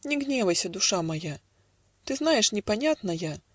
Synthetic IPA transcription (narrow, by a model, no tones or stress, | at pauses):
nʲɛɣnʲɛvɐjsʲɐd̪uʂamaja | t̪ɨzn̪ajɛʂnʲɛpanʲat̪nɐja